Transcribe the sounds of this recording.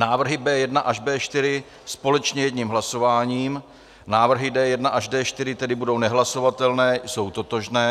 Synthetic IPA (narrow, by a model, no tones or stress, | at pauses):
naːvr̩ɦɪbɛːjɛdnaʔaʒbɛːʃt̪ɪɾɪ | spo̞lɛt͡ʃɲɛjɛdɲiːmɦlaso̞vaːɲiːm | naːvr̩ɦɪdɛːjɛdnaʔaʒdɛːʃt̪ɪɾɪt̪ɛdɪbudo̞wnɛɦlaso̞vat̪ɛlnɛːjso̞wt̪o̞t̪o̞ʒnɛː